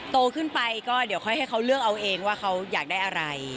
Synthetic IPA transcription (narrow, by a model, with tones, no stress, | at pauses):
t̪oː˧kʰɯ˥˩npa˧jkɔː˥˩di˨˩˦wkʰɔ˥˩jɦa˥˩jkʰa˦˥wlɯ˥˩ək̚ʔa˧wʔeː˧ŋwaː˥˩xʰa˦˥wjaː˨˩k̚daː˥˩jʔa˧ɾa˧j